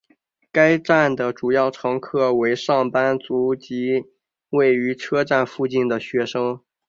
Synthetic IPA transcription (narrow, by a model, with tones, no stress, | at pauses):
ka˥ɪʈ͡ʂa˥˩nd̪ə˩ʈ͡ʂu˨˩jɑ˥˩ʊʈ͡ʂʰɑ˧˥ŋkʰɤ˥˩we˧˥ɪʂɑ˥˩ŋpa˥nt͡su˧˥t͡ɕi˧˥ | we˥˩ɪy˧˥ʈ͡ʂʰɤ˥ʈ͡ʂa˥˧nfu˥˧t͡ɕi˥˩nd̪ə˩ɕɥɛ˧˥ʂɤ˥ŋ